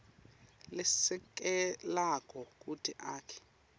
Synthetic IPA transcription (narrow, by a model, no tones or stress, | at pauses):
lɪsɛk̬ʼɛlakʼɔkʼutʰiʔaːkʰɛ̥